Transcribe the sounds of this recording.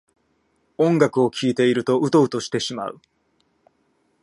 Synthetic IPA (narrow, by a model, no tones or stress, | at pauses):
õ̞ŋɡakɯ̟o̞kʲʰiːt̪e̞iɾɯ̟t̪o̞ɯ̟t̪o̞ɯ̟t̪o̞ɕi̥t̪e̞ɕima̰ɯ̟